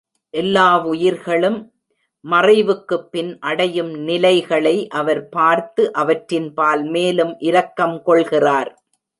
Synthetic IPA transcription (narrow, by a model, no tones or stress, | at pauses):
ʔɛlːaːʋʊjɪɾɣɐɭɯmː | ɐrɐɪʋɯkːɯpːɪnʔɐɽɐjɯmnɪlɐɪɣɐɭɐɪʔɐʋɐɾpaːɾt̪ɯʔɐʋɐʈɾɪnpaːlmeːlɯmʔɪɾɐkːɐmkɔɭɣɪraːɾ